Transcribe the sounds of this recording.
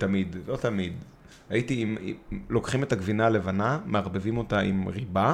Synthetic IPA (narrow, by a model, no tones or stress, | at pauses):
tamidlo̞tamid | haitimilo̞kχime̞taɡvinale̞vanameaʁbevimo̞taʔimʁiba